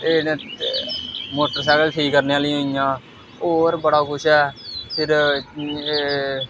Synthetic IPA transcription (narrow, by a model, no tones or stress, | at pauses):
eː | moːʈəɾsɛːkəlʈʰiːkːəɾneːaːlɪ̃ijãː | oːɾbəɽaːkʊʃʰɛːpʰɪɾ